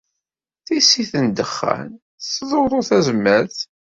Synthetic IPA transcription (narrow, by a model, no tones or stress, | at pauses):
θisːiθənd̪əχːæ̰n | sːðˤoðˤoθæzmːæɾθ